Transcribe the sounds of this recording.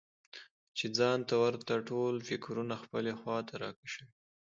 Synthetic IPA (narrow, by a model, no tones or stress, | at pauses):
t͡ʃed͡zɑnt̪awaɾt̪aʈolfɪkɾunaxpəlexwɑt̪aɾɑ̰kaʃəwi